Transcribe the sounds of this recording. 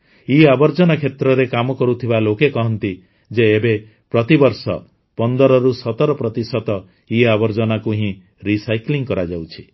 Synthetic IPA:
iabɔɾd͡ʒɔnakʰet̪ɾɔɾekamɔkɔɾut̪ʰibalokekɔɦɔnt̪i | d͡ʒeːbe | pɾɔt̪ibɔɾsɔ̰ | pɔnd̪ɔɾɔɾusɔt̪ɔɾɔpɾɔt̪isɔt̪ɔ | iabɔɾd͡ʒɔnakuɦĩ | ɾisajkliŋkɔɾad͡ʒawt͡ʃʰi̥

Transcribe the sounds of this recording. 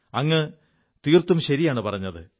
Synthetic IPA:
ɐŋːɐ | t̪iːrt̪ːumɕɐɾijaːɳɨpɐrɐɲːɐðɨ̰

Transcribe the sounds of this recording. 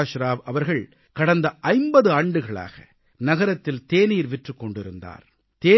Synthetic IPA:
ʃɾaːʋɐʋɐɾɣɐɭ | kɐɽɐnd̪ɐʔɐɪmbɐðɯaːɳɖɯɣɐɭa̰ːɣɐ̰ | nɐɣɐɾɐt̪ːɪlt̪eːniːɾʋɪʈrɯkːɔɳɖɪɾɯnd̪a̰ːɾ | t̪eː

